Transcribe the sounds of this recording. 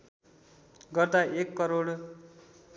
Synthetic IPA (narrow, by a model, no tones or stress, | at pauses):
ɡʌrd̪aekːʌɾoɽ